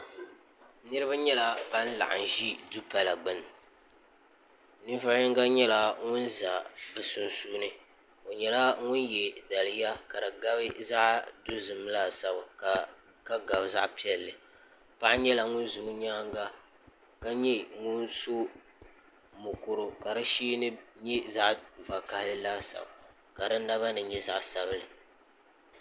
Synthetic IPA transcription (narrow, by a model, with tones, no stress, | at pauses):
nɨ˦ɾɨ˦ba˦ɲɛ˦la˨ba˦n˦la̰˨ʔa̰˨n˨ʒi˦du˦pa˨la˨ɡ͡bɨ˦n˨ | nɨ˦va˦ɲɛ˦ŋɡa˦ɲɛ˦la˦ŋʊ˦nza˨bɨ˨sʊ˦nsuː˦nɨ˦ | o˨ɲɛ˨la˦ŋʊ˦njɛ˨da˨lɨ˦ja˦ka˨dɨ˨ɡa˦bɨ˦za˦ʔdu˦zɨ˨m˦la˨sa˦ba˨ | ka˦ɡa˨bza˦ʔpi˦ɛ˦lːɨ˨ | pa˦ʔɲɛ˦la˨ŋʊ˦nzʊ˨˦ɲaː˦ŋɡa˦ | ka˦ɲɛ˦ŋʊ˦nso˦ | mʊ˨kʊ˨ɾʊ˨ka˨ɾɨ˦ʃiː˦nɨ˦ɲɛ˦za˦ʔva˨ka˦hlɨ˦laː˦sa̰˨ba̰˨ | ka˨dɨ˦nː˦a˦βa˦nɨ˨ɲɛ˦za˦ʔsa˦bɨ˦lɨ˨